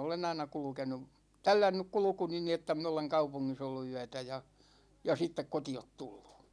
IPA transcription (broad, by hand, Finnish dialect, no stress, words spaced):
olen ɑinɑ kulŭkenu tælːænːyk kulŭkuni ni etːæ min oleŋ kɑupuŋːis olːu yætæ jɑ jɑ sitːek kotiot tulːu̥